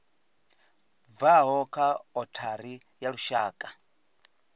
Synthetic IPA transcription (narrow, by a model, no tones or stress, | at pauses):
vaɦɔkʰaɔtʰaɾi | jaɺuʃaːkʼa